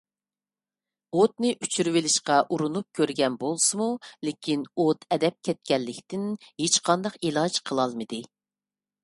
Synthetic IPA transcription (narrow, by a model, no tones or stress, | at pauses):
ot̪̚nɪʔyt͡ʃʰyɾwɪlɪʃqɑʔuɾunup̚kʲʰøɾɡʲɛnbolˠsɨmulekʲʰinot̪ʰɛd̪ɛp̚kʲʰɛt̪̚kʲɛlːɪkʲt̪ɪnhet͡ʃqʰɑnd̪ɑqelˠɑd͡ʒqʰəlˠɑlˠmɨd̪ɨ